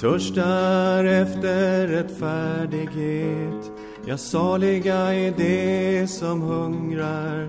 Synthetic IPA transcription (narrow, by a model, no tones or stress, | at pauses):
t̪ʰɵʂʈaɾɛft̪əɾɛt̪fæːɖɪɡheːt̪ | jɑːsɑːɭɪɡaɛdɛsɔmhɵŋɾaɾ